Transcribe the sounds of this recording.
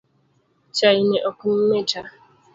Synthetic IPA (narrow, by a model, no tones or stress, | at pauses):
t͡ʃaineʔɔkʊm̩meta